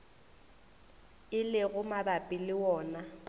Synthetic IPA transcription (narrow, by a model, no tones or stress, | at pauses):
ɪlɪɣʊmabapʼɪlɪwɔːna